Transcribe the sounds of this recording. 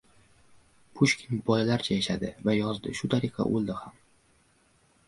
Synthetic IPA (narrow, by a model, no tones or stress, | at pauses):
pʰʊʃkʲɪnbɒjlaɾt͡ʃʰajaʃad̪ɪvajɒzd̪ɪ̰ʃʊt̪ʰaɾɨqʰɑ̰ʔolˠd̪ɪham